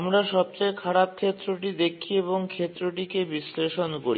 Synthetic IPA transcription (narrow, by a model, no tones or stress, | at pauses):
mɾaʃɔb̚t͡ɕajkʰaɽap̚kʰet̪ːɾoʈ̬id̪ekʰieβoŋkʰet̪ːɾoʈikebisleʃonko̰ɾi